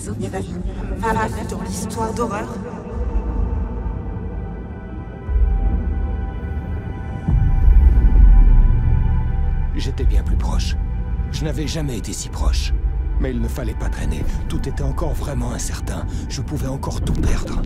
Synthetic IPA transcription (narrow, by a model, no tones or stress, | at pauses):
ad̪list̪waʁd̪ɔʁœːʁ | ʒet̪ɛbjɛ̃plypχɔʃʒənavɛʒamɛet̪esi̥pχɔʃmɛilnəfalɛpat̪χḛnet̪ut̪et̪ɛɑ̃kɔʁvʁɛmɑ̃ɛ̃sɛʁt̪ɛ̃ʒ̥əpuvɛɑ̃kɔʁt̪upɛʁd̪ʁə